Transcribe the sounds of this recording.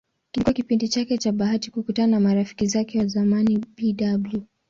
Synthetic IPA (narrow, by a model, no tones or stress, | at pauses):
kilikuakipindit͡ʃakɛt͡ʃaɓaɦati̥kukutananamaɾafi̥kizakɛwazamanibiɗablu